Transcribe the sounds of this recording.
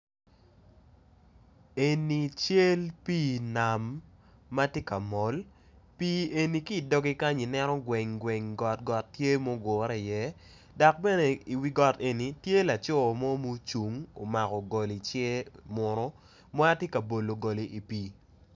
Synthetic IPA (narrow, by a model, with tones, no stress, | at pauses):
e˨ni˨t͡ʃe˦lpiː˦na˨mː | a˦tje˦ka˨mɔ˨l | pi˦e˨ni˨˦ki˦˨dɔ˦ɡi˦ka˦ɲi˨nɛ˦ɾɔ˦ɡwɛ˨ŋɡwɛ˨ŋɡɔ˨tɡɔ˨tːje˦mɔ˦ɡɔ˨ɾɛ˦˨jɛ˦ | dɔ˨k̚bɛ˦ne˨i˨wi˦ɡɔ˦˨te˨ni˨tje˦la˨t͡ʃɔ˦˨mɔ˦mu˦t͡ʃu˨ŋo˨ma˨kɔ˨ɡɔ˨li˨t͡ʃe˦mʊ˨ɾɔ˦ | ma˦a˦tje˦kɐ˨bo˨lo˨ɡɔ˨li˨ʔi˨piː˦